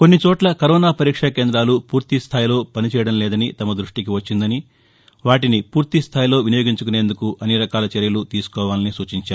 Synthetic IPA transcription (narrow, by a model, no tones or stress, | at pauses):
ko̞nːit͡ʃɔːʈlɐkɐɾɔːnaːpɐɾiːkʂɐke̞ːnd̪ɾaːlupuːɾt̪ist̪ʰaːjilo̞ːpɐnit͡ʃɛːjɐɽɐmlɛːd̪ɐnit̪ɐmɐd̪ɾuʂʈikiʋɐt͡ʃːind̪ɐni | ʋaːʈinipuːɾt̪ist̪ʰaːjlo̞ːʋinijo̞ːɡiɲt͡ʃukune̞ːnd̪ukuʔɐnːiɾɐkaːlɐt͡ʃeɾjɐlut̪iːsu̥kɔːʋaːlɐnisuːt͡ʃiɲt͡ʃaːɾ